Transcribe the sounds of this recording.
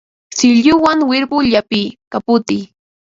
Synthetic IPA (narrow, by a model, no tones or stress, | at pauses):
sɪʎʊwaŋwɪɾbʊʎapɪkapʊt̪ɪj